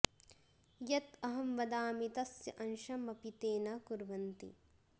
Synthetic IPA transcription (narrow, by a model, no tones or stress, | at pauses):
jɐt̪ɐɦɐmʋɐd̪aːmit̪ɐsjɐʔɐnʃɐmɐpit̪eːnɐkuɾʋɐnt̪ḭ